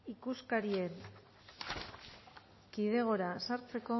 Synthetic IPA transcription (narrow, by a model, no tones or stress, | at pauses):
ikuskaɾie̞n | kiðe̞ɣ̞o̞ɾasaɾt͡se̞ko̞